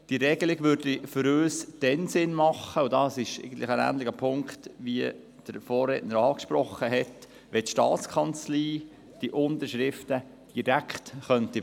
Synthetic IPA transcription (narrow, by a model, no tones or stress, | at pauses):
d̥iɾɛɡ̥əlɪɡ̥ʋʏɾdifʏɾøːsd̥ɛnsɪnmɑχəʊd̥ɑːsɪʃɛ̰ɪɡən̩tlɪχənæ̰ːndlɪɡəpʰʊŋktʋiə | d̥əɾfɔːrːḛːtnəɾɑːkʃpɾɔχːəɦɛt | ʋɛt̪ʃtɑ̰ːt͡skʰɑnt͡sliː | d̥iʔʊnd̪əɾʃɾɪftə | d̥iɾækχtχœnti